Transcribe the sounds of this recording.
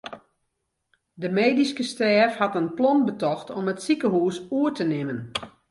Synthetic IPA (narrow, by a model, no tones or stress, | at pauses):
dəmeːdiskəstɛːfhatənplɔnbətɔxtʰɔmətsikəɦuːsuətənɪmən